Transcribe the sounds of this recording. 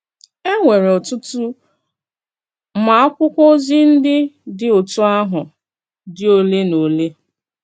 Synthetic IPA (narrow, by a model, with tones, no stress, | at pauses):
e˦ŋʷe˨ɾe˨ɔ˨tʊ˦tʊ˦ | ma˨a˦kʷʊ˦kʷo˦zi˦n̩˦dɪ˦dɪ˨o˨tu˦a˦ɦʊ˨ | dɪ˦o˦le˦no˨le˦